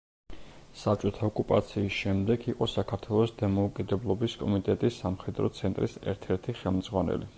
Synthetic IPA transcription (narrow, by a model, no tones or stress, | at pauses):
sap̚t͡ʃʼɔt̪ʰaɔkʼupʼat̪sʰiːsʃɛmd̪ɛɡʰiqʼɔsakʰaɾt̪ʰwɛlˠɔsd̪amɔukʼid̪ɛblˠɔbiskʼɔmit̪ʼɛt̪ʼisːamχɛd̪ɾɔt̪sʰɛnt̪ʼɾḭsɛ̰ɾt̪ʰɛɾt̪ʰiχɛlˠmd̪zʁwanɛ̰li